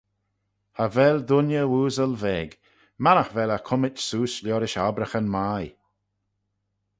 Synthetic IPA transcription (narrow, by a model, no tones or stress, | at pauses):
həvɛld̪ʊnjəuːzəlvɛːɡ | manəxvɛləkʰʊmɪt͡ʃsuːslʲjɔːɾɪʃabɾəxənmaj